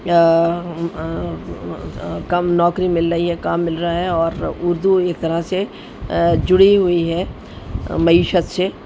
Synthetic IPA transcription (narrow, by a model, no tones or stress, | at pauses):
kɐmnɔːkɾimɪlɾəɦiɦɛkaːmːɪlɾɐaɦɛɔːɾʊɾd̪ueːk̚t̪ɐɾase | d͡ʒʊɽiɦʊiɦɛː | mɐiːʃət̪se